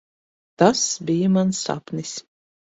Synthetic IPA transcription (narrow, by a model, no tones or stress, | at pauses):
t̪asbijəmansa̰pnis